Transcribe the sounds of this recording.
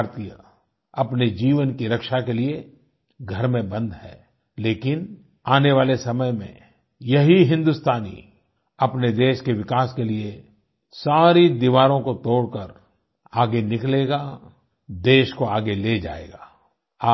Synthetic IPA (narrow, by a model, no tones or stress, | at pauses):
ɾt̪ijə̰ | ɐpned͡ʒiːʋənkiɾɐkʃakelie | ɡʱɐɾmẽbɐ̃nd̪ɦɛː | leːkɪn | aːneʋaːlesɐməjmḛ̃ | jɐɦiɦɪ̃nd̪ʊst̪ʰaːnḭ | ɐpned̪eːʃkeʋɪkaːskelie | saːɾid̪iʋaːɾõkot̪oːɽkəɾ | aːɡenɪkleːɡa | d̪eːʃkoaːɡeled͡ʒa̰ːḛːɡaː | aː